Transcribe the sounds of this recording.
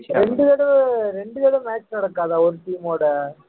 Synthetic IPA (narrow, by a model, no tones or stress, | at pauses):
ɾɛɳɖɯðɛɽɐɾɛɳɖɯðɛɽɐmaːt͡ʃːnɐɽɐkːaːðaːɔɾɯʈiːmoːɽɐ